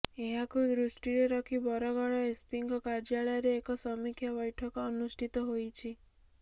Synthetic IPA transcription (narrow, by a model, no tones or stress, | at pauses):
eɦakud̪ɾusʈiɾeɾɔkʰibɔɾɔɡɔɭɔespiŋkɔkaɾd͡ʒaɭɔjɔɾeːkɔsɔmikʰjabɔjʈʰɔkɔːnusʈʰit̪ɔɦojt͡ʃʰi